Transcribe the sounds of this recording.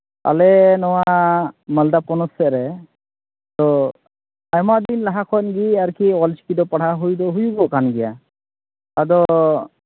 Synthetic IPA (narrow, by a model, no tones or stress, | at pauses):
a̰lɛnɔwaməld̪apɔnɔsɛʔɾɛ | t̪ɔ | ajmaʔd̪inlaɦakʰɔnɡiaɾkʰiwɔlt͡ʃi̥kid̪ɔpaɽaɦujd̪ɔɦujubɔkanɡɛja | ad̪ɔ